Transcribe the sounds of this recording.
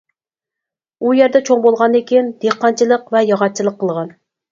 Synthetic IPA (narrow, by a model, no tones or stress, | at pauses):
ujæɾd̪ɛt͡ʃʰoŋbolˠʁɑnd̪ekʲʰind̪̥eqːɑnt͡ʃʰilˠəqvɛjɑʁɑt̪̚t͡ʃʰilˠəqʰːəlˠʁɑn